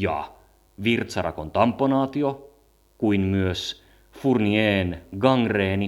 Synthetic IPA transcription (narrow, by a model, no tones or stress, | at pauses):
jɑ̰ | ʋirt̪sɑrɑ̰kont̪ɑmpːonɑːt̪io | kuinmyøs | furnieːnɡɑŋɡreːni